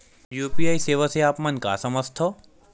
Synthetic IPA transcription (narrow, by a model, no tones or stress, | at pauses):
juːpiaːiseːʋaseaːpmɐnka̰ːsɐməst̪ʰoː